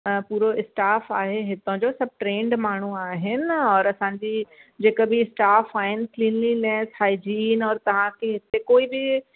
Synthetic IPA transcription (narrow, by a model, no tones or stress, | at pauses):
əpuːɾoɪsʈaːfaːɦeɦɪt̪õd͡ʑoːsɐb̚ʱʈɾẽːɳɖmaːɳ̤uaːɦɪnɪ̆ɪ̆ɔːɾɐsãːɲd͡ʑiːd͡ʑeːkəbɪɪsʈaːfaːɦɪnɪ̆klĩːnlinɛːshaːid͡ʑiːnɔːɾt̪ɐʋ̤ãkʰeɦɪt̪ekoːibɪ